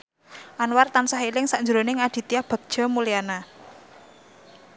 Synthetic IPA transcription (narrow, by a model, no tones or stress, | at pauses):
ʔanwart̪ansaɦilɪŋsaɲd͡ʒuɾonɪŋad̪̥i̤t̪iahb̥a̤k̚d̥ʒ̥a̤mulijana